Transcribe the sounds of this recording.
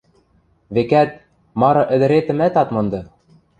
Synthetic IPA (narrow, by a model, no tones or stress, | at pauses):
βekæt̪̚ | mɑɾɤ̆ʔɘ̆d̪ɘ̆ɾet̪ɘ̆mæt̪ɑt̪mɤ̆nd̪ɤ̆